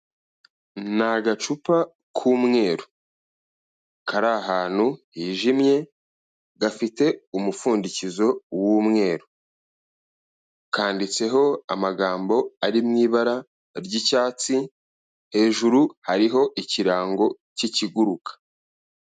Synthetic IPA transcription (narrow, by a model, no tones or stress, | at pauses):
naɡat͡ʃupa | kʰuːmŋe̞ːɾo | kaɾaɦaːn̥huhiːʒimje̞ | ɡafite̞umufuːndicizo̞wuːmŋe̞ːɾo | kaːndit͡se̞ɦo̞amaɡaːmbo̞aɾimŋiːβaɾa | ɾɟicaːt͡si | he̞ːʒuɾuhaɾiɦo̞ʔiciɾaːŋɡo̞ | ciciɡuɾukḁ